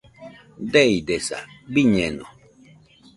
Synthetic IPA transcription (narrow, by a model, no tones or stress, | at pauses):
dɛidesa̰biɲɛnɔ̰